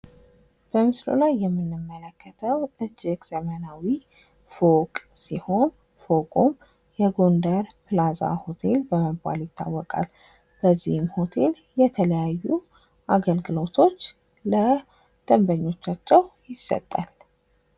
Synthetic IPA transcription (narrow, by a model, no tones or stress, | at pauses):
b̥əmɨslo̰lajːɛmːinːɨmːələkːət̪ʰəwʔɨd͡ʒːɪkʼzəmənawi | fo̞kʼsiho̞n | fo̞kʼun | jɛɡo̞nd̪əɾpɨlaza̰ho̞t̪ʰe̞lbəməba̰ljɪt̪ːa̰wːɔkʼa̰l | b̥əzːihɨmho̞t̪ʰe̞l | jɛt̪ʰələjajːu | ʔaɡəlɡɨlo̞t̪ʰo̞t͡ʃː | lə | d̪̥əmbəɲːo̞t͡ʃːat͡ʃːɛwjɪsːə̰t̪ʼːal